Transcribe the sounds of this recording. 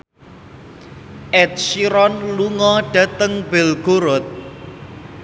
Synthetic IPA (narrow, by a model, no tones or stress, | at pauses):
ʔɛt̪̚siɾɔnluŋɔɖ̥a̤t̪əŋbelɡ̥oɾɔt̪̚